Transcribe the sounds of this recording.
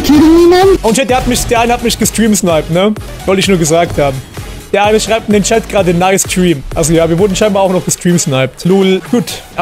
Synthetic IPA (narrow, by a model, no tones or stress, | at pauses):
kʰidəniːnɛnʔoʊnʃɛd̥eːɐhatmɪçd̥eːɐaɪnəhatmɪçɡ̥əstʁ̥iːmsnaɪp̚tnə | z̥ɔltəɪçnuːɐɡəzaːk̚thaːbm̩ | d̥eːɐʔaɪnəʃʁ̥aɪp̚tndeːnt͡ʃɛptɡ̥ʁaːdənːaɪstʁ̥iːmʔalzojaːviːɐvʊɐdn̩ʃaɪnbaːaʊxnɔχɡ̥əstʁ̥iːmsnaɪp̚tluːlɡ̥uːtʔ